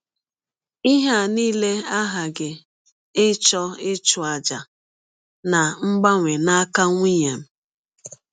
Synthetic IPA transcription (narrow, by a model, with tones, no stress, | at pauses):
i˦ɦa˦˨niː˦le˦a˦ɦa˨ɡɪ˨ | ɪ˦t͡ʃɔ˦ɪ˦t͡ʃʊ˨a˨d͡ʒa˨ | na˨ŋ͡m̩˦ɡ͡ba˦ŋʷe˨na˦ka˦ŋʷi˦ɲe˨m̩˦